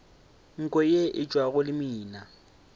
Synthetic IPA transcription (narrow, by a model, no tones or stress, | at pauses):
ŋ̩kʼɔjeʔɪt͡ʃʼwaɣʊlɪmiːna